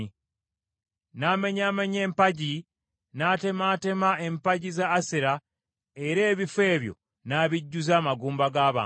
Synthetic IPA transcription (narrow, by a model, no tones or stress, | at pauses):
i | naːme̞ɲaːmeɲe̞ːmpaɟi | nate̞mate̞maʔe̞mpaɟizaːsiɾa | e̞ɾe̞ːβifwe̞ːβjo̞̰ | naːβiɟːuzaːmaɡuːmbaɡaːβa̰ː